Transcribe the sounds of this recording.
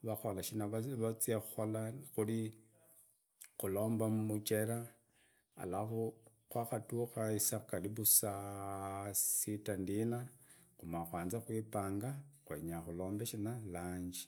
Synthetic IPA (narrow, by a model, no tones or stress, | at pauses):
βaxolaʃinaβat͡siexuxolaxuli | xulo̞ːmbamumut͡ʃeɾa | a̰laxo | kwaxatuxaisakaliβusa | sitandinaxumaxwaːnzaxwipaːŋɡaxwḛɲaxulo̞ːmbeʃinalaːɲd͡ʒi̥